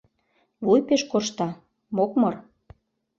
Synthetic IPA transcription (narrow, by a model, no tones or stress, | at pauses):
βujpeʃkoʃt̪ɑ | mokmɤr